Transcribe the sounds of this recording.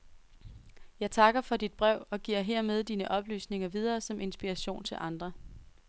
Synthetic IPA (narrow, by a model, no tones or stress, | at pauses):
jɑ̈ɪt͡sʰɑ̈ɡ̥ɐfɒ̽d̥id̥̚b̥ʁɛʊ̰ɒ̽ɡ̥iɐ̰ɦeɐ̰með̞ˠd̥iːnəʔɒ̽b̥ly̰ːsne̝ŋɐʋið̞ˠɐːsɒ̽mʔe̝nsb̥iʁɑɕo̝̰ːnt͡sʰe̝lʔɑ̈nd̥ʁɐ